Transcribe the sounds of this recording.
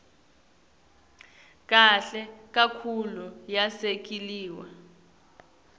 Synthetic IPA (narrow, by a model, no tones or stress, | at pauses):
k̬ʼaɬɛk̬akʰulujasek̬ʼiliːwa